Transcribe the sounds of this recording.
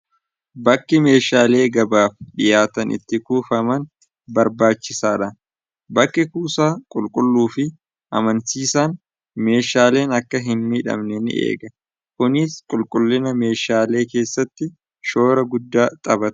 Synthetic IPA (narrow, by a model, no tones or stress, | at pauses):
bɐkːɪme̞ːʃaːle̞ːɡɐbaːfɗɪjaːt̪ɐnɪ̰t̪ːɪkuːfɐmɐn | bɐɾbaːt͡ʃːɪsaːᶑɐn | bɐkːɪkuːsaːkʼʊlkʼʊlːuːfɪ | ʔɐ̰mɐnsiːsaːn | me̞ːʃaːle̞ːnɐkːɐɦɪnmɪᶑɐ̰mnɛnɪ̰ʔḛːɡɐ | kʊnɪskʼʊlkʼʊlːɪnɐme̞ːʃaːle̞ːke̞ːsːɐt̪ːɪ | ʃo̞ːɾɐɡʊd̪ːaːt̪ʼɐbɐt̪